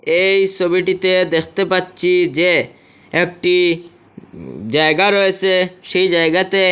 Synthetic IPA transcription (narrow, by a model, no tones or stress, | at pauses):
ejsɔbiʈit̪ed̪ekʰt̪epat̪̚t͡ʃʰid͡ʒeː | k̚ʈi | d͡ʒaeɡaɾɔeseʃeid͡ʒajɡat̪e